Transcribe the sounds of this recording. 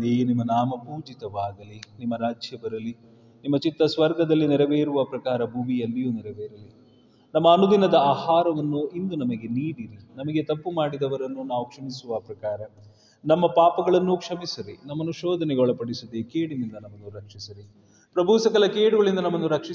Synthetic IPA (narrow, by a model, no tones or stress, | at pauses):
ejnimːɐnaːmɐpuːd͡ʒit̪ɐʋaːɡ̪ɐlinimːɐɾaːd͡ʒʱjɐbɐɾɐli | nimːɐt͡ʃit̪ːɐsʋɐɾɡʱɐd̪ɐlːinɛɾɐʋeːɾuʋɐpɾɐkaːɾɐbʱuʋijɐlːijuːnɛɾɐʋeːɾɐli | nɐmːɐːnud̪inɐd̪ɐaːhaːɾɐʋɐnːuind̪unɐmɐɡe̞niːɽiɾinɐmɐɡe̞t̪ɐpːumaːɽid̪ɐʋɐɾɐnːunaːʋukʂɐmisuʋɐpɾɐkaːɾɐ | nɐmːɐpaːpɐɡɐɭɐnːukʂɐmisɐɾinɐmːɐnuʃɔːd̪ʱɐnɛɡɔɭɐpɐɽisud̪ekeːɽinind̪ɐnɐmːɐnːuɾɐkʂisɐɾi | pɾɐbʱuːsɐkɐlɐkeːɽuɡɐɭind̪ɐnɐmːɐnːuɾɐkʂi